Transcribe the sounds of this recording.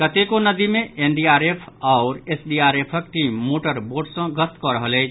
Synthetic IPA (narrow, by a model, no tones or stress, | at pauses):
kət̪ekonəd̪imeʔenɖiaɾepʰaʊɾesɖiaɾepʰək̚ʈimːoʈəɾboɾɖsə̃ɡəst̪kɔɾəɦəlɛ